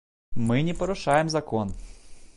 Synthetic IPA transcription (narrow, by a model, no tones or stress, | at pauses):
mɨnʲɪpɐɾʊʂajɪmzɐkon